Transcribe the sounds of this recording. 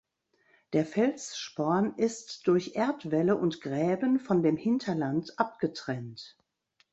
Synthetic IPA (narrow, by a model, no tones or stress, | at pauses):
d̥eːɐfɛlt͡sʃpɔɐnʔɪstd̥ʊɐçʔeɐtv̥ɛləʔʊntɡ̥ʁɛːbənfɔndeːmhɪntʰɐlantʔap̚ɡ̥ətʁ̥ɛnt